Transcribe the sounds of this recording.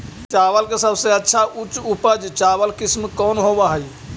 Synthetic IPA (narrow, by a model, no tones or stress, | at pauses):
t͡ʃaʋəlkesəbʱsẽətːʃʰaʔut͡ʃupəd͡ʒt͡ʃawəlkismkɔnɦobaɦəj